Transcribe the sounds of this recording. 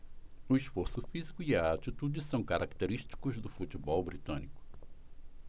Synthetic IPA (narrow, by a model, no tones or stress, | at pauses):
ʊisfoɾsʊfizikʊiɐat͡ʃit̪ud͡ʒɪsɐ̃w̃kaɾʔakt̪eɾiʃt͡ʃi̥kʊzd̪ʊfut͡ʃibɔwbɾit̪ɐ̰̃nikʊ̥